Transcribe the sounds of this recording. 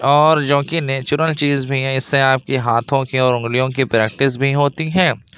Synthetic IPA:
ɔːɾd͡ʒõːkineːt͡ʃʊɾəlt͡ʃiːzbʱiɦɛ̃ɪsːeaːp̚kiɦaːt̪ʰõkiɔːɾʊ̃ŋɡlijõkipɾɛːk̚ʈɪs̬bʱiɦoːt̪iɦɛ̃ː

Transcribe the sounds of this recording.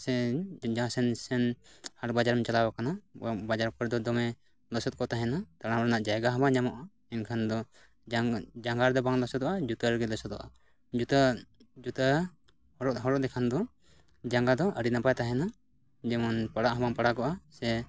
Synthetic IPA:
sɛd͡ʒãsɛnsɛnhaɾbad͡ʒaɾmɛt͡ʃalabakanabad͡ʒaɾkɔɾd̪ɔd̪ɔmɛ | lɔsɔt̪̚kɔt̪aɦɛnat̪aɽamɾɛnaʔd͡ʒajɡaɦɔbaŋd͡ʒamɔʔa | ɛnkʰand̪ɔ | d͡ʒad͡ʒaŋɡaɾd̪ɔbaŋlɔsɔt̪ɔʔad͡ʒut̪aɾɡɛlɔsɔt̪ɔ̰ʔa | d͡ʒut̪ad͡ʒut̪a | hɔɾɔʔɦɔɾɔʔd̪ɛkʰand̪ɔ | d͡ʒaŋɡad̪ɔʔəɽinapajt̪aɦɛna | d͡ʒɛmanpaɽaʔɦɔmaŋpaɽaɡɔʔasɛ

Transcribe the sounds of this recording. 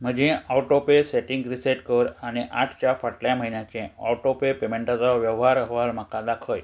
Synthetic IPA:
m̤əd͡ʑẽawʈopeseʈiŋɡɾiseʈkəɾaneʔaʈʰt͡ɕafəʈljaməɦinjãt͡ʃẽa̰ʈopepemeɳʈat͡saʋjəʋɦaɾəɦʋalmakãd̪akʰəj

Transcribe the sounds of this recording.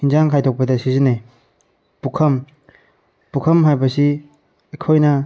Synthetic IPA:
hinzaŋkʰajtʰɔk̚pɐdɐsizine | pukʰɐm | pukʰɐmɦajbɐsi | ekʰojnɐ

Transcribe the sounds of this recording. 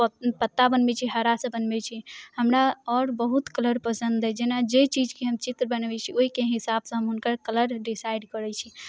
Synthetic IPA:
pət̪ːabənbɛt͡ʃʰiɦəɾasə̃bənbɛt͡ʃʰihəmɾaɔɾbəɦut̪kələɾpəsə̃nd̪ɛd͡ʒenad͡ʒet͡ʃid͡ʒkiɦəmt͡ʃit̪ɾəbənbɛt͡ʃʰioikeɦisabsə̃ɦəmɦunkəɾkələɾɖisaiɖkəɾɛt͡ʃʰi

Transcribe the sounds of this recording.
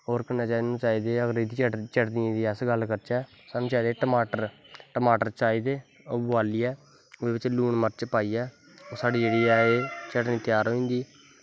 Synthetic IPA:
oːɾkənaːt͡ʃaːinũːt͡ʃaːiːd̪eːəɡəɾid̪it͡ʃt͡ʃəɽd̪iẽːd̪iːəsɡəlkəɾt͡ʃɛː | saːnũːt͡ʃaːid̪eːʈəmaːʈəɾʈəmaːʈəɾt͡ʃaːiːd̪eː | oːbʊʋaːliːɛː | eːbɪt͡ʃluːɳməɾt͡ʃpaːiːɛː | oːsaːɖiːd͡ʒeːɽiːɛeːt͡ʃəɽniːt̪jaːɾoːĩːnd̪iː

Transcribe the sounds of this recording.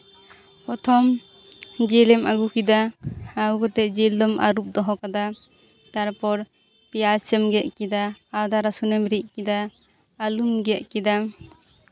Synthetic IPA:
pɔt̪ʰɔm | d͡ʒɛlɛmʔaɡukid̪aːɡukɔt̪ɛʔd͡ʒild̪ɔma̰ɾup̚d̪ɔɦɔkad̪a | t̪aɾpɔɾ | pijasəmɡɛʔkid̪aːd̪aɾasunɛmɾiʔ̚kid̪aː | lumɡɛʔ̚kid̪a

